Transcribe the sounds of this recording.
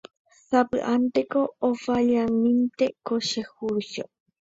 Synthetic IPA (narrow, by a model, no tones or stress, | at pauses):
sapɨ̰ʔant̪ekoːfaʎanĩnt̪ekoʃehuɾʃo̰